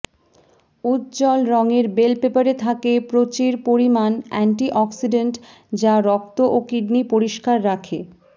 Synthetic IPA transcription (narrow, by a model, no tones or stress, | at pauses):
ut̪d͡ʑɔlɾɔŋeɾbelpepaɾet̪ʰakepɾot͡ɕiɾpoɾimanɛ̰ɳʈiʔɔksiɖeɳʈ | d͡ʑaɾɔk̚t̪oʔokiɖnipoɾiʃkaɾːakʰe